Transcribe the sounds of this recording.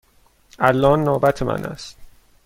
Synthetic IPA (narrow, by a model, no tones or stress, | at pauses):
ʔælːɒːnːoːbæt̪ʰemʔæ̰nʔæ̰st̪